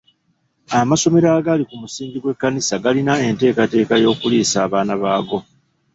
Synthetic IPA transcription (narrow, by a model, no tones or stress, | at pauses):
amaso̞me̞ɾaːɡalikumusiːɲɟiɡwe̞kːanisaɡalinae̞nte̞ːkate̞ːkajo̞ːkuliːsaːβaːnaβaːɡo̞